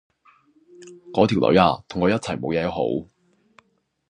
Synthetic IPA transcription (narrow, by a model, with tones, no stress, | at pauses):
kɔː˨˥t̪ʰi˨˩wlʔɵ̰˨˥ɥaː˧t̪ʰʊ˨˩ŋkɔː˨˧˥jɐ˥t̚t͡sʰɐ˨˩jmo̰˨˧wjɛː˨˧jho̰˨˥w